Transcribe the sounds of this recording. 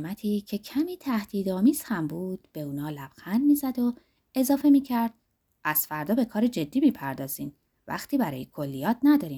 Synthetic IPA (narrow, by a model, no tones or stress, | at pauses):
mæt̪ʰiːcʰe̞cʰæmiːt̪ʰæhd̪̥iːd̪ɒːmiːz̥hæmbuːd̪̥̚b̥e̞uːnɒːlæb̥xænd̪miːzæd̪o̞ | e̞zɒːfe̞miːcʰæɾd̪̥ | ʔæz̥fæɾd̪ɒːbe̞kʰɒːɾed͡ʒe̞d̪ːiːmiːpʰæɾd̪ɒːz̥iːn | væ̰xt̪ʰiːbæɾɒ̰ːjekʰo̞lːijɒːt̪ʰnæd̪ɒːɾiːm